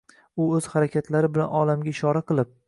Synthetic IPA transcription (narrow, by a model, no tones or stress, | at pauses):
ʊɵz̥haɾakʲʰat̪ʰlaɾɪbɪla̰nɒlamɡʲaɪʃɒɾaqʰɨlˠɪp̚